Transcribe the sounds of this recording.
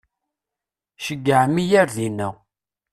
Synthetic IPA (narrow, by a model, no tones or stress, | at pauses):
ʃəɡːəʕmijæɾðinæ